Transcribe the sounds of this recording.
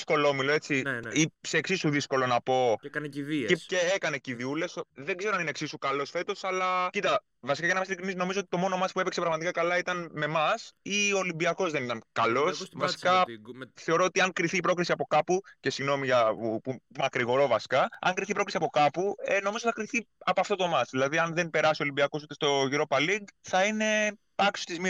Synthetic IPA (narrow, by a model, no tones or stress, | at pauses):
sko̞lomilo̞e̞t͡siiseːksisuðisko̞lo̞nɐpo̞kɐniðeceekɐne̞ciðiule̞sðeŋɡzeɾɐnineksisukɐlo̞sfe̞t̪o̞sɐlɐcit̪ɐ | vɐsikɐcɐnɐmɐsilikɾinisno̞mizoot̪i̥t̪o̞mo̞no̞mɐspuepeksepɾɐɣmɐt̪ikɐkɐlɐit̪ɐnme̞mɐsiolimbiɐko̞zðe̞nit̪ɐnkɐlo̞ssvɐsi̥kɐθe̞oɾo̞ot̪iɐŋkɾiθiːpɾo̞kɾisiɐpo̞kɐpucesiɣno̞miʝɐupumɐkɾiɣo̞ɾo̞vɐsi̥kɐɐ̰ŋkɾiθipɾkisiɐpo̞kɐpueno̞mizoθɐkɾiθiɐpɐft̪o̞t̪omɐzðilɐðiɐnðenpe̞ɾɐsio̞limbiɐko̞sut̪e̞st̪o̞ʝiɾo̞pɐliɡθɐine̞pɐkso̥st̪izmi